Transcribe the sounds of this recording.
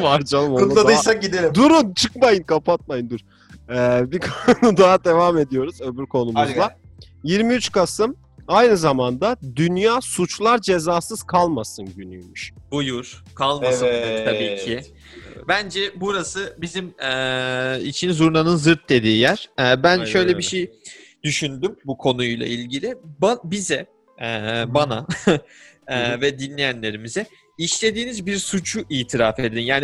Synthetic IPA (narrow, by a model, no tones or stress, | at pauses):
vaɾd͡ʒalˠɯmout̪lˠad̪ɯjsak̚ɟid̪elʲimd̪uɾunt͡ʃʰɯkmajɯnkʰapʰat̪̚majɯnd̪uɾ | ɛːbikʰanud̪aɦad̪e̞vaːme̞d̪ijo̞ɾuzøbyɾkʰo̞numuzlˠa | jiɾmiyt͡ʃkʰasɯm | ajnɯzamand̪ad̪ynjaːsut͡ʃlˠaɾd͡ʒe̞zaːsɯz̥kʰalˠmasɯnɟynyjmyʃbujuɾ̥kʰalˠmaɯɛnʰabiːcʰi | bænd͡ʒɛbuɾasɯbizimɛḭt͡ʃʰinzuɾnanɯnzɯɾt̪̚d̪e̞d̪iːjæɾ̥ɛːbænʃʃø̞jlʲebiʃej | d̪̥yʃynd̪ymbukʰo̞nujlˠa̰ilʲɟilʲɪbabizɛ | ɛːbana | ɛvɛd̪inlʲejænlʲe̞ɾimizɛ | iʃlʲe̞d̪iːnizbiɾsut͡ʃʰuʔiːt̪ʰiɾaːfed̪einjaːni